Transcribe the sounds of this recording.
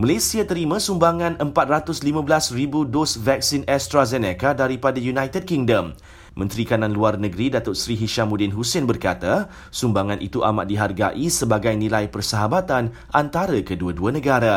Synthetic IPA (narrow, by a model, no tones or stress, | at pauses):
malesiat̪əɾimãsumbaŋãnəmpat̪̚rat̪ʊslimãbəlasribudosvak̚sinɛst̪ɾazɛnɛkadaɾipadajunajt̪ɛd̚kiŋdəmː | ə̃nt̪ɾikanãnluarnəɡɾidat̪ʊʔsɾiɦiʃamudɪnɦusɪnbərkat̪a | sumbaŋãnʔḭt̪uʔa̰ma̰ʔ̪̚diɦarɡa̰ʔisəbaɡajnĩlajpərsəɦabat̪an | ʔant̪aɾəkəduaduanəɡaɾa